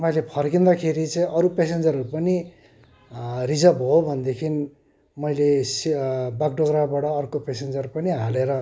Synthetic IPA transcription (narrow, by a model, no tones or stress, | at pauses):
t̪ʌpajlepʰʌrkind̪akʰeɾit͡sʌĩʔʌɾupesend͡zʌɾʌɾupʌni | rid͡zʌbɦobʱʌnd̪ekʰin | mʌjlesbak̚ɖʌɡrabaɽʌːrkopesend͡zʌrpʌniɦaleɾʌ